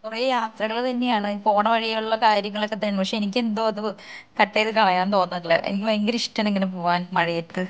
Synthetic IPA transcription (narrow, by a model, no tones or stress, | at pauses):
kurɐjaːt̪rɐɣɐɭt̪ɐnːejaːɳɨpo̞ːɳɐʋɐɻijɐjuɭːɐkaːɾjɐŋːɐɭokːɐt̪ːɐjɳumpɐkʂeenik̬ʲːend̪oːɐðɨkɐʈːejðɨkɐɭɐjaːnt̪o̞ːnːɐt̪ːɐɭḛʔḛikːiŋɡiniʂʈːɐneŋːɐnepoːʋaːnmɐɻɐjɐʈ̪ːɨ